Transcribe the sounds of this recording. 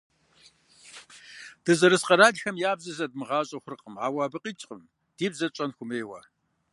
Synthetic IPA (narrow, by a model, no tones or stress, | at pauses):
d̥ɐzɐɾɨsqɐɾaːɮxɐmjaːbzɐzɐd̚mɨʁɑːɕʼɐxʷʊrɨqəmaːwaːbɨqʼiːt͡ʃʼqʼəm | d̥iːbzɐt͡ʃʼɐnxʷʊmeːwa̰